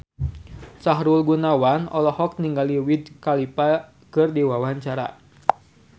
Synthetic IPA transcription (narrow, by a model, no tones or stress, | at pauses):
saɦɾulɡunawanɔ̰lɔhɔk̚niŋɡaliwid̚kalipa | kɨrdiwawaɲt͡ʃaɾa̰